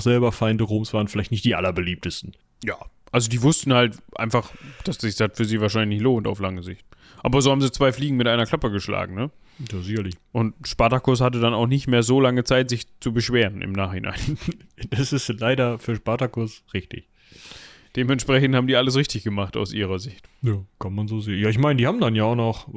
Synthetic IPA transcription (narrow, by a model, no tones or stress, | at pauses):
xz̥ɛlbɐfaɪndəʁoːmsv̥aːʁənfɪlaɪçtnɪçtd̥iːʔa̰lɐbəliːp̚təstn̩ | jaːʔalzodiːvʊstn̩haltʔa̰ɪnfaχd̥asz̥ɪçshatfyːɐziːvaːɐʃ̬aɪnɪçlɪçloːnta̰ʊflaŋəzɪçt̚ | ʔaːbɐzoːhaːbm̩ziːt͡sv̥aɪfliːɡŋ̩mɪtʔaɪnɐkʰl̥apəɡəʃla̰ːɡŋ̩nə | daːzɪçɐlɪçʔʊntʃpaɐtakʰʊɐs̬hat̬ədanaʊxnɪçtmeːɐzoːlaŋət͡saɪtz̥ɪçt͡subəʃv̥eːʁənʔɪ̰mnaːχhɪnʔa̰ɪn | d̥asɪstlaɪdɐfyːɐʃpaɐtakʊɐsʁɪçtɪ̰ç | d̥eːmɛntʃpʁ̥ɛçn̩thaːbm̩diːaləs̬ʁɪçtɪçɡ̥əmaχta̰ʊsʔiːʁɐzɪçtjaːkʰanmanzoːzeːnjaːɪçmaɪnədiːhaːbm̩danjaːʊnɔχ